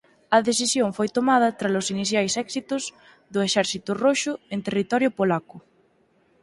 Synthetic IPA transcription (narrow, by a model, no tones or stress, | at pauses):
ɐðesisjõɱfojt̪omað̞ɐt̪ɾalʊsiniθjajsɛksit̪ʊs | ðʊeʃɛɾθit̪ʊroʃʊent̪erit̪ɔɾjʊpolakʊ